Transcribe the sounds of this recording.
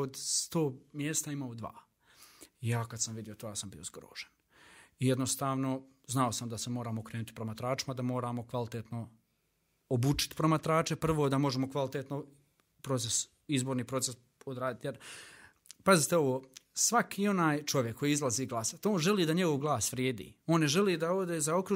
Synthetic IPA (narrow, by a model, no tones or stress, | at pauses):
od̪st̪oːmjeːst̪aimaod̪ʋa̰ː | ijaːkad̪samʋid̪jiot̪oːjaːsambḭozɡɾo̰ːʒ̥en | ijed̪nost̪aːʋno̞ | znao̞samd̪asemo̞ːɾaːmokɾeːnut̪ipɾomat̪ɾaːt͡ʃi̥mad̪amo̞ːɾaːmo̞kʋalˠit̪et̪no̞ | obuːt͡ʃi̥t̪i̥pɾomat̪ɾaːt͡ʃepr̩ʋod̪amo̞ʒemo̞kʋalˠit̪et̪no̞ | pɾo̞t̪ses | izboːɾniːpɾo̞t̪ses | od̪ɾaːd̪it̪jeɾ | pazit̪e̞o̞ʋoːsʋakiːo̞naːjt͡ʃo̞ʋjekʰːo̞jiizlˠaziːɡlˠasat̪o̞ːnʒe̞liːd̪aɲe̞ɡoʋɡlˠaːsʋɾjeːd̪ḭːo̞ːnːeʒe̞liːd̪aod̪eːzaokɾu